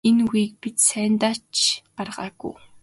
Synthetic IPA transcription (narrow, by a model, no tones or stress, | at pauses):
enɡujk̚pit̪sæːnt̪aːt͡ɕɢarʁa̰ːɡṵː